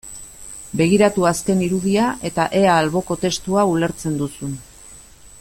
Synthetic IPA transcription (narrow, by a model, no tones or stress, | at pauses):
be̞ɣ̞iɾat̪uaske̞niɾuð̞iaʔe̞t̪aʔe̞aːlβo̞ko̞t̪e̞st̪uaule̞ɾt͡se̞nd̪usun